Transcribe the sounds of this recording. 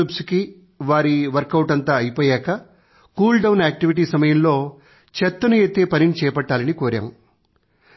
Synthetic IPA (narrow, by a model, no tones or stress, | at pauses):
upsuki | ʋaːɾiʋɐɾkɐwʈɐnt̪aːɐjipoːjaːkɐ | kuːlɖɐwnaːk̚ʈiʋiʈ̬iːsɐmɐjɐmlo̞ː | t͡ʃɛt̪ːɐnueːt̪ːeːpɐninit͡ʃɛːjɐpɐʈːaːlɐnikoːɾɐ̰m